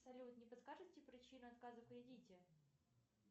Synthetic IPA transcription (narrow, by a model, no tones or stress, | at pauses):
sɐlʲut̪nʲɪpəskaʐɨsʲtʲɪpɾʲɪt͡ɕinʊɐt̪kazəfkɾʲɪdʲitʲɪ